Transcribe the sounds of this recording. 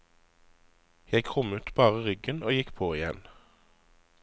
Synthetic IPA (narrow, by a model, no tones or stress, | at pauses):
jæɪkʰʁʊmʉːt̪bɑːʁəʁʏɡənoːjɪkpʰoːɪjɛ̰n